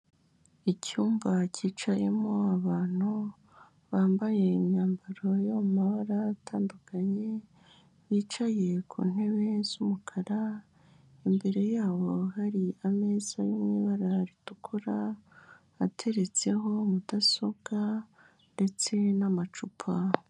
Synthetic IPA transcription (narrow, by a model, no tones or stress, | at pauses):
icuːmvaciːt͡ʃaje̞̰moaβaːn̥u | βaːmbaje̞iɲɲaːmbaɾo̞jomumaβaɾaːtʰaːndukʰaɲe̞ | βiːt͡ʃaje̞kʰṵːn̥he̞βe̞z̥umukʰaɾa | imbe̞ɾe̞jaːβo̞haɾiame̞ːzajumŋiːβaɾaɾitukʰuɾa | atʰe̞ɾe̞t͡se̞ɦo̞mudaso̞bɡ̥a | nde̞t͡se̞namat͡ʃupʰa